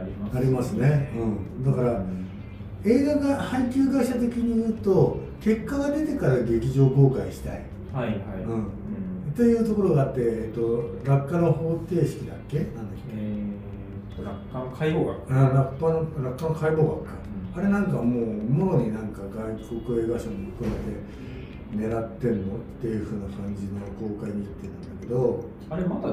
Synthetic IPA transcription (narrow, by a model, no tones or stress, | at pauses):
aɾʲimasɨne̞ɯ̟̃ɴd̪akaɾa | e̞ːɡaɡahaikʲɨːɡaiɕat̪e̞kʲiɲ̟ijɯ̟ːt̪o̞ | ke̞kːaɡad̪e̞t̪e̞kaɾaɡe̞kʲiʑo̞ːko̞ːkaiɕi̥t̪a̰ḭ | ɯ̟̃ɴ | t̪e̞jɯ̟ːt̪o̞ko̞ɾo̞ɡaːt̪ːe̞eːt̪ːo̞ɾakːano̞ho̞ːt̪e̞ːɕi̥kʲid̪a̰kːe̞nãnd̪akːe | ɾakːakaioɡakːãɾakːanɾakːankaibo̞ːɡakːa | aɾe̞nãŋkamo̞ːmooɲ̟inãŋkaɡaiko̞kɯ̟eːɡaɕomoɸɯ̟̥kɯ̟me̞t̪e̞ | ne̞ɾat̪ːẽ̞nːo̞t̪ːe̞jɯ̟ːɸɯ̟ːnakãɲ̟d͡ʑino̞ko̞ːkaiɲ̟iit̪ːet̪ːãnd̪ake̞d̪o̞ | aɾemat̪a